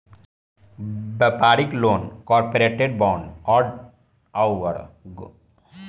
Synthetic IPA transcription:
bəpaːɾikloːnkɔːɾpoɾeːʈeɖbɔːɳɖɔːɖ | awʋəɾɡ

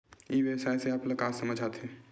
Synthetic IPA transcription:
iːʋeːsajseaplɐkaːsɐməd͡ʒʱaːt̪e

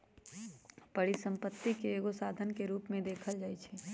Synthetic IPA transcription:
pɐɽisə̃mpət̪ːikeeːɡosaːd̪ʱənkeɾuːpmẽd̪eːkʰəld͡ʒaːit͡ʃʰɛː

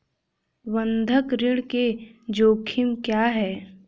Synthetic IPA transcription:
wə̃nd̪ʱəkɾɪɽked͡ʒoːkʰɪmkjaːɦɛː

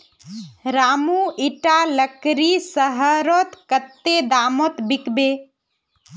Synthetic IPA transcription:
ɾaːmuiʈaləkɾisəɦəɾoːt̪kət̪ːed̪aːmot̪bɪkbeː

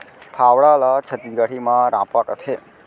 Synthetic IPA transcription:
pʰaʋɭalat͡ʃʰət̪iɡaɽimãɾãpaʈət̪ʰe

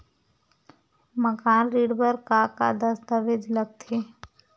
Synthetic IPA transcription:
məkaːnɾiːɖbəɾkaka̰d̪əsd̪əʋed͡ʒləɡ̚t̪ʰeː

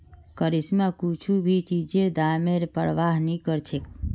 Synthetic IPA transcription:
kəɾismãkut͡ʃʰubʱit͡ʃid͡ʒed̪ameɾpəɾʋaɦnikəɾt͡ʃʰek̚

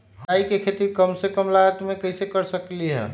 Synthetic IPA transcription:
ɦaikekʰet̪ikəmsekəmlaɡət̪mẽkəisekəɾsəkliɦɛ̰ː

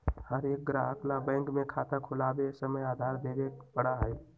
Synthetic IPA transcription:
həɾeːk̚ɡɾaəkʰlabɛ̃ːŋkmẽkʰaːt̪akʰʊlaːbesəməjaːd̪ʱaːɾd̪eːɡepəɽaɦɛː

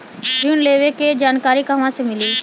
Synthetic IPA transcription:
d͡ʒuːnleːʋeked͡ʒaːnkaːɾikaʋãsẽmɪliː

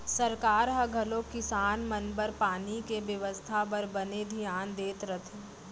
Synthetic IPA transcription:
sɐɾkaːɾɦɐɡʱɐlokɪsaːnmɐnbəɾpaːnikeʋjəʋəst̪ʰapɐɾbɐned̪ʱijaːnd̪eːt̪ɾɐt̪ʰe

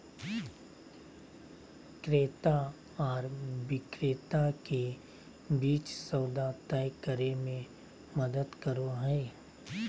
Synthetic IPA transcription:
kɾeːt̪a | ɔːɾbɪkɾeːt̪ake | biːt͡ʃsəʊd̪at̪ajkəɾemẽ | məd̪əd̪kəɾoɦɛː

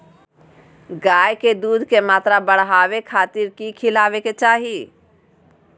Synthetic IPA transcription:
ɡaːjked̪uːd̪ʱkemaːt̪ɾabəɽɦaːwekʰaːt̪ɪɾkikʰɪlaːʋeket͡ʃaːɦi

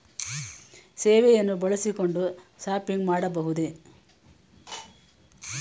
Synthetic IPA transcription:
seːʋɛjɐnːubɐɭɐsiko̞ɳɖuʃaːpiŋɡmaːɽɐbɐɦud̪e

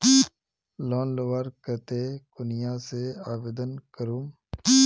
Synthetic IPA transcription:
lɔːnləʋaːɾkət̪eːkʊnɪjãːseaːbeːd̪ənkəɾuːm

